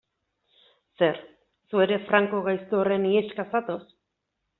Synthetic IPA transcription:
se̞ɾ | sue̞ɾe̞fɾaŋko̞ɣajst̪oore̞nieʃkasat̪os

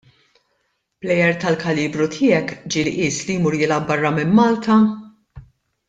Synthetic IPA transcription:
b̥lɛjɛɾt̪ɐlkɐliːbɾut̪ʰɪːjɛkd͡ʒilʔɪːslijmʊɾjɪlɐbɐrːɐmɪmːɐːlt̪ɐ

